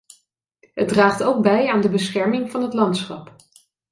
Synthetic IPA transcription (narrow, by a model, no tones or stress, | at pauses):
ɦəd̚draːχtowk̚bɛjaːndəbəsχɛɹmɪŋvɑnɦətlɑntsχɑp